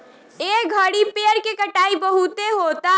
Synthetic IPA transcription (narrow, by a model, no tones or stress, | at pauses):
eɡʱəɽipeəɾkekəʈaːibəɦut̪eɦot̪a